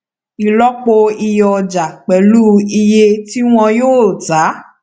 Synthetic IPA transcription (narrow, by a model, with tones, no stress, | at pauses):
i˨lɔ˦k͡po˧i˧jɔ˧d͡ʒa˨k͡pɛ˨lu˦i˧je˧ti˦w̃ɔ̃˧joː˦˨ta˨˦